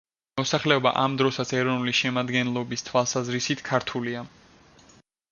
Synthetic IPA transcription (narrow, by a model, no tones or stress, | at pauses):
mɔsaχlɛɔba̰ʔamd̪ɾɔsat̪sʰɛɾɔnuliʃɛmad̪ɡɛnlˠɔbist̪ʰwalˠsazɾisit̪ʰkʰaɾt̪ʰulia